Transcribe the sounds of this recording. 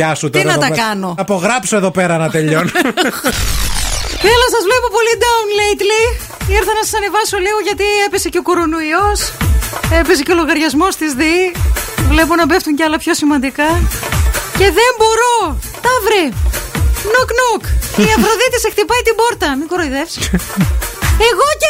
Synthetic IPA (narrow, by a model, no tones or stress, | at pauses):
ɐsut̪iɾnɐt̪ɐkɐnoɐpo̞ɣɾɐpsoe̞ðo̞peɾɐnɐt̪eʎon | θelosɐzvle̞po̞po̞lid̪ɐunlejt̪li | iɾθɐnɐsɐ̥sɐne̞vɐsoliɣo̞ʝɐt̪iepese̞ceoko̞ɾo̞noios | epes̬eceo̞loɣɐɾʝɐzmo̞st̪izði | vle̞p̬onɐbe̞ft̪uɲceɐlɐpço̞simɐnd̪ikɐ | ce̞ðe̞mbo̞ɾo̞ | t̪ɐvɾi | noknokiɐfɾoðit̪isext̪ipɐjt̪ibo̞ɾt̪ɐmikoɾoiðefsi̥ | eɣoce